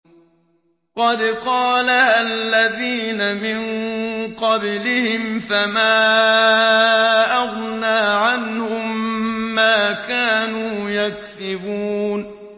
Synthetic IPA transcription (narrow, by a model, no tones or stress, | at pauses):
qɑd̪qɑːlahalːaðiːnamɪnqɑblɪhɪmfamaː | ʔaɣnaːʕanhʊmːaːkaːnuːjaksɪbuːn